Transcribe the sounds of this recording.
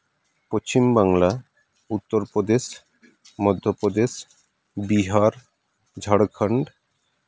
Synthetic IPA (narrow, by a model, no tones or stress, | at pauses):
post͡ɕimbaŋla | ut̪ːoɾpɾod̪eʃ | mɔd̪ʱːopɾod̪eʃ | biɦaɾ | d͡ʑʱaɽkʰəɳɖ